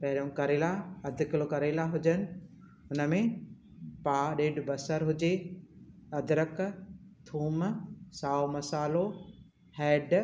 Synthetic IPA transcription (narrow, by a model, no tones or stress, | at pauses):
pɐɦɪɾjõkɐɾeːlaɐd̪ʱɪklokɐɾelaɦʊd͡ʑənɪ̆ | ʊnə̆mẽ | paːɗeːɖbɐsəɾɦʊd͡ʑe | ɐd̪ʱɪɾəkt̪ʰuːmsaːomɐsaːlo | hɛːɖ